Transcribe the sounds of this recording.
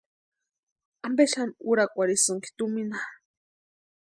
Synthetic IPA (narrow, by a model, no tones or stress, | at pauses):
ambeʃanuɾakʷaɾisɨŋki̥t̪umina